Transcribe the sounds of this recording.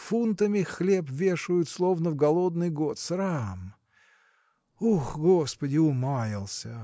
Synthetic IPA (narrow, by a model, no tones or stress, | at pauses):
funt̪əmʲɪxlʲepvʲeʂʊjʊt̪slˠovnəvɡɐlˠod̪̚nɨjɡot̪sɾam | uxɡospədʲɪʊmajʲɪlˠsʲə